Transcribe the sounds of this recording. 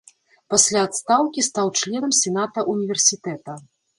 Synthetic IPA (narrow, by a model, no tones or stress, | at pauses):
pasʲlʲaːt̪st̪awkʲist̪awt͡ʂlʲɛnɐmsʲɛnat̪ɐʔunʲivʲɛrsʲit̪ɛt̪ɐ